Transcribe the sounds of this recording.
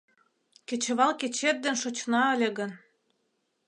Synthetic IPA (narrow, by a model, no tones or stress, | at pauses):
ket͡ɕə̆βɑlket͡ɕet̪̚d̪enʃot͡ɕnɑə̆lʲĕɣə̆n